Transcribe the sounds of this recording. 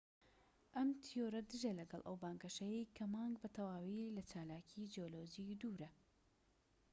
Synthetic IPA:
ʔɐmt̪ʰijoɾɐd̪ɨʒɐlɐɡɐ̰lˠʔɐ̰wbaːŋɡɐʃɐjejkʰɐmaːŋɡbɐt̪ʰɐwaːwilɐt͡ʃaːlaːkʰid͡ʒioloːd͡ʒid̪uːɾɐ

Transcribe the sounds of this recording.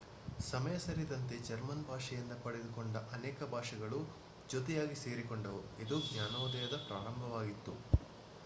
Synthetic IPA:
sɐmɐjɐsɐɾid̪ɐnt̪e̞d͡ʒɐɾmɐnbʱaːʂɐjind̪ɐpɐɽed̪ukoɳɖɐʔɐnɛːkɐbʱaːʂɐɡɐɭu | d͡ʒot̪ɛjaːɡise̞ːɾikoɳɖɐʋuid̪uɡnjaːnɐːd̪ɐjɐd̪ɐpɾaːɾɐmbʱɐʋaːɡit̪ːu

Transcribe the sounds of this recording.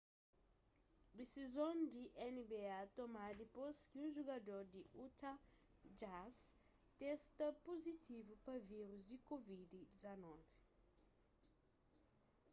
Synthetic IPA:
desizõnd̪iʔɛnibeat̪omad̪iposkiũʒuɡad̪oɾd̪iut̪ʰa | d͡ʒas | t̪ɛst̪ɐpozit̪ivupɐviɾuzd̪ikovid̪id̪izanɔvɛ

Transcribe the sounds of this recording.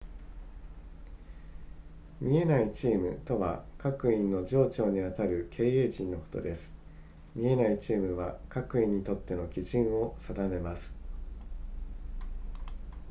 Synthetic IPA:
mʲie̞nait͡ɕiːmɯ̟t̪o̞βa̰kakɯ̟ĩnːo̞ʑo̞ːt͡ɕo̞ːɲ̟iβat̪aɾɯ̟kʰe̞ːeːʑĩnːo̞ko̞̥t̪o̞̰d̪e̞sɨ̥ | mʲie̞nait͡ɕiːmɯ̟βakakɯ̟ĩɲ̟ːit̪o̞t̪ːe̞no̞kʲiʑĩɰ̃o̞sad̪ame̞masɨ̥

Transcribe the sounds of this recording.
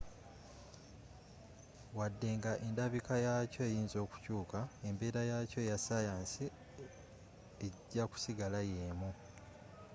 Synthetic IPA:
wadːe̞ŋɡaʔe̞ndaβikajaco̞ejiːnzo̞ːku̥cuːkae̞mbe̞ːɾajaco̞jasajaːnsi | eɟːaku̥siɡalajeːmu

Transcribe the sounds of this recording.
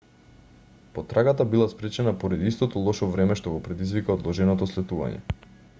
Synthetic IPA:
pɔt̪ɾaɡat̪abilˠaspɾɛt͡ʃɛnapɔɾad̪iist̪ɔt̪ɔlˠɔʃɔvɾɛmɛʃt̪ɔɡɔpɾɛd̪izvikaɔd̪lˠɔʒɛnɔt̪ɔslɛt̪uva̰ɲɛ̰

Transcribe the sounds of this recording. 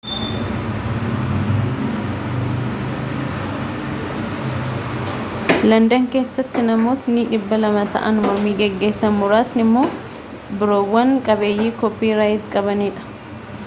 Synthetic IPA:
lɐnd̪ɐŋke̞ːsːɐt̪ːɪnɐmo̞ːt̪niᶑɪbːɐlɐmɐt̪ɐ̰ʔɐ̰nmɔɾmiːɡɛɡːe̞ːsːɐnmʊɾaːsnɪmːo̞ː | bɪɾo̞ːwːɐŋkʼɐbe̞ːjːiːkɔpːiːɾaːjɪt̪kʼɐbɐniːᶑɐ̥

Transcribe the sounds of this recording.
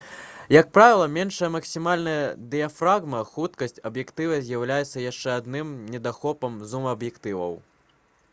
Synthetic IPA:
jɐk̚pɾavʲilˠɐmʲɛnʂɐjɐmɐksʲimalʲnɐjɐd̪ɨjɐfɾaɣmɐxut̪kɐsʲt͡sʲɐbjɛkt̪ɨvɐzʲjawlʲajɛt̪sːɐjaʂt͡ʂɛad̪nɨmnʲɛd̪axɔpɐmzumɐɐbjɛkt̪ɨvɐ̰w

